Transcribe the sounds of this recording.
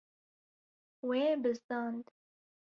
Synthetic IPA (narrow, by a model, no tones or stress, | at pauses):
weːbɨst̪ɑːnd̪